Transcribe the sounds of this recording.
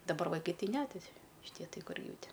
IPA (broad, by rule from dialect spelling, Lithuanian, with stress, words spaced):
dɐˈbɐr ʋɐɪˈkɐɪ ˈtʲɪ nʲɛ tʲɪ ʃʲɪˈtʲiɛ ˈtɐɪ ˈkʊr ˈjɛʊ ˈtʲɪ